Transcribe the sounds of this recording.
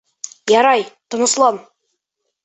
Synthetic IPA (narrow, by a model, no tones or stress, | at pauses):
jɑɾɑjt̪ŏnɤ̆slˠɑn